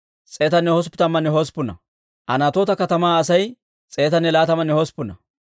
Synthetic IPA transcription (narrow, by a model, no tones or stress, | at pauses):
t͡sʼe̞ːt̪ɐnːɛhɔs̬pːɪ̥t̪ɐmːɐnːɛɦɔspːʊnɐ̰ | ʔɐnat̪oːt̪ɐkɐt̪ɐmaːɐsɐj | t͡sʼe̞ːt̪ɐnːɛlaːt̪ɐmɐnːɛhɔspʊnɐ̰